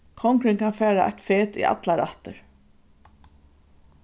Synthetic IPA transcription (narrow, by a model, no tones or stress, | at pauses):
kʰɔŋkɾɪŋkʰanfɛːɾaʔa̰jt̪feːt̪ḭʔa̰t̪laɾa̰ht̪əɹ